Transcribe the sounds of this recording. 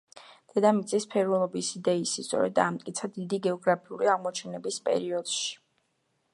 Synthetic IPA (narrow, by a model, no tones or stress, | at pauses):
d̪̥ɛd̪amit̪sʼispʰɛɾvɛlˠɔbisid̪ɛisist̪sʼɔ̰ɾɛ̰d̪ːaːmt̪ʼkʼit̪sʰad̪id̪iɡɛɔɡɾapʰiṵɾiaʁmɔt͡ʃʰɛnɛbispʼɛ̰ɾiɔd̪̥ʃi̥